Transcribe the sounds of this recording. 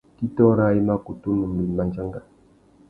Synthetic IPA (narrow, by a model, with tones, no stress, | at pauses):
ki˦tɔ˦ɾa˦i˦ma˦ku˨tu˦mə˨m˨bi˨lma˦nd͡ʒa˦ŋɡa˦